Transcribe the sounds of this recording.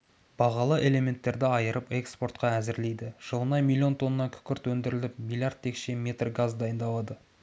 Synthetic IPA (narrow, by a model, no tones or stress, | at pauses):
b̥ɑʁɑlˠəʔe̞le̞mʲe̞nt̪ːe̞ɾd̪ɪɑjəɾəpe̞kspo̞rt̪̚qɑæzɪɾle̞jd̪ɪʒ̥əlˠənɑjmʲilˠijo̞nt̪ʰo̞nəːɑŋkʲʰʏ̥kʲɪɾt̪wɵnd̪ɪɾɪlɪp̚mʲilʲˠjard̪t̪̚ʰːe̞kʃe̞me̞t̪rɡazd̪ɑjənd̪ɑlˠɑd̪ə